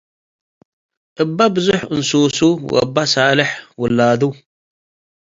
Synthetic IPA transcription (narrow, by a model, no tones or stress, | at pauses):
ʔɨbːabɨzʊħɨnsuːsuw̰ʔə̰bːasaːlɪħwʊlːaːd̪u